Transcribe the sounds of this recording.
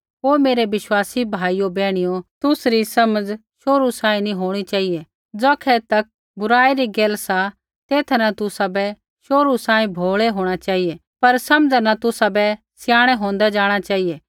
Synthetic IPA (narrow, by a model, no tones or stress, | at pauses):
ɦoːmeːɾeʋɪʃwaːsibʱaːijobɛːɽ̃ɪjot̪ʊsɾisɐməd͡zʃoːɾusãːĩnĩɦoːɽ̃it͡ʃaːije | d͡zɔːkʰɛt̪ɐk̚ | bʊɾaːiɾiɡeːlsa | t̪eːt̪ʰnat̪ʊsabɛ | ʃoːɾusãːĩbʱoːɭeɦoːɽ̃at͡ʃaːɦije | pɐɾsɐmd͡zanat̪ʊsabɛ | sjaːɽ̃ɛɦõːnd̪ad͡ʒaːɽ̃at͡ʃaːieː